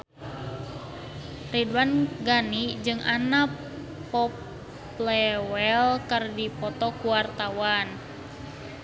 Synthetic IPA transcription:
ridwanɡanid͡ʒɨŋʔana | pɔp | lɛwɛlkərdipɔt̪ɔkuwart̪awan

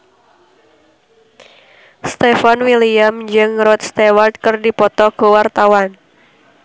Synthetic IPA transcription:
st̪efanwiliamd͡ʒɨŋɾɔt̪̚st̪ewart̪̚kɨrdipɔt̪ɔɡ̥owart̪awan

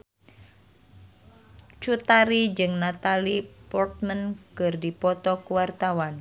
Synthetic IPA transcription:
t͡ʃut̪aɾid͡ʒɨŋnat̪alipɔrt̪̚mənkɨrdipɔt̪ɔkuwart̪awan

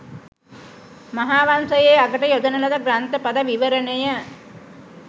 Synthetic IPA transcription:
maɦaːʋansəjeːaɡəʈəjod̪ənəlɐd̪əɡɾant̪əpad̪aʋiʋəɾənəjə

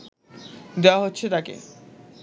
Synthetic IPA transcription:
d̪eoaɦotːɕʰet̪akḛ

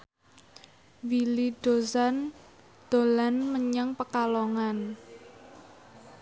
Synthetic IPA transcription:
wilid̥o̤zan | d̪̥o̤lanməɲaŋpəkaloŋan

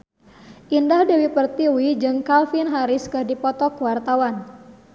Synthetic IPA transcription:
ʔindahdewipərt̪iwid͡ʒɨŋkalfinɦaɾɪskɨrdipɔt̪ɔkuwart̪awan

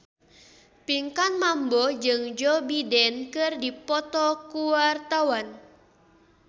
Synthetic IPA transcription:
piŋkanmambɔd͡ʒɨŋd͡ʒɔbidɛnkɨrdipɔt̪ɔkuwart̪awan

